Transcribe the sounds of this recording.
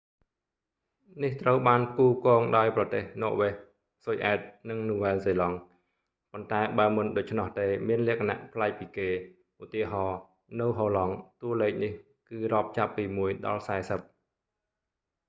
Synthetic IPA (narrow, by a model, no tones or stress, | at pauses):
niht̪rəwɓaːnkuːkɔːŋɗaɔjprɑt̪eːhnɔːʔʋeh | sojʔaɛt̪̚nɨŋnuːʋɛːnseːlɑŋ | pont̪aɛɓaəmɨnɗoːc̚t͡ɕʰnɑht̪eːmiənlɛ̆əkʰana̰ʔpʰlaɛk̚piːkeː | ʔut̪iəɦɑː | nɨwɦoːlɑŋt̪uəlɛːk̚nih | kɨːrŏəp̚t͡ɕapːiːmuəjɗɑ̰lsaɛsəp̚